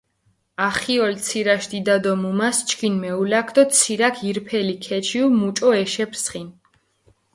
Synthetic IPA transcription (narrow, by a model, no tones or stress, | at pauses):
aχiɔlt̪sʰiɾaʃd̪id̪ad̪ɔmumast͡ʃʰkʰinmɛulakʰd̪ɔt̪sʰiɾakʰiɾpʰɛlikʰɛt͡ʃʰiumut͡ʃʼɔɛʃɛpʰsχin